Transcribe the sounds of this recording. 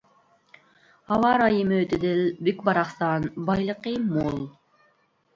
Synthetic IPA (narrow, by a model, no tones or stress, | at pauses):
hɑwɑɾɑjimøt̪ɪd̪ɪlbykbɑɾɑχsɑnbɑjlˠəqimulˠ